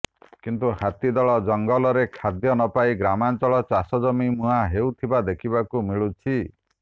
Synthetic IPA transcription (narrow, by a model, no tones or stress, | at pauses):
kint̪uhat̪id̪ɔɭɔd͡ʒɔŋɡɔlɔɾekʰad̪jɔnɔpaiɡɾamant͡ʃɔɭɔt͡ʃasɔd͡ʒɔmimuɦaɦewt̪ʰibad̪ekʰibakumiɭut͡ʃʰi